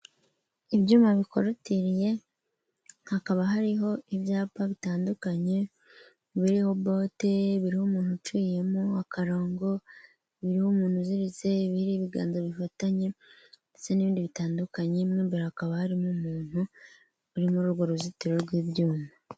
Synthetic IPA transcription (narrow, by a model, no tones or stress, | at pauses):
iβjuːmaβikoɾutiɾije̞ | hakaβaɦaɾiɦo̞ʔiβjaːpaβitaːndukaɲe̞ | βiɾiho̞bo̞te̞βiɾihomuːn̥hut͡ʃiːje̞muakʰaɾoːŋɡo̞ | βiɾihomuːn̥huziɾizeβiiɾiːβiɡa̰ːnzoβifataɲe̞neseniβiːndiβitaːndukaɲemŋiːmbeɾahakaβahaɾimumuːn̥hu | βuɾimuɾuɾɡoɾuzitiɾoɾɡwiːbjuːma